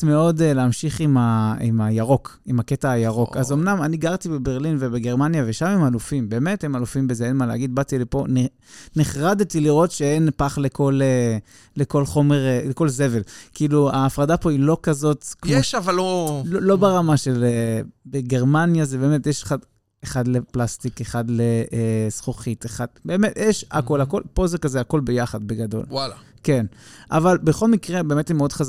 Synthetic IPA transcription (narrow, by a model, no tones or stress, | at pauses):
tmeo̞deleamʃiχimaḭmajaʁo̞k | imaketaːjaʁo̞kazo̞mnamaniɡaʁt̪ibebeʁlinvebeɡeʁmanjaveʃamemalufimbeːme̞themalufimbezeenmaleaɡid̪̚bat̪ilepo̞n | niχʁad̪t̪iliʁo̞tʃeenpaχleko̞le | leko̞lχo̞me̞ʁleko̞lze̞ve̞lkiiːluaːfʁadapo̞ilo̞kazo̞t̪kmmjoʃavalːololo̞beʁamaʃelebeɡe̞ʁmanjazebe̞ːmetjɛʃe̥χad | eχad̪leplast̪ikeχadlesχoχit̪eχad̪̚beːmetjʔɛʃa̰ko̞lako̞lpo̞zekazeako̞lbejaχad̪̚beɡado̞̰lwala | kenʔa̰valbeχo̞lmikʁebe̞ːmet̪imeod̪χaz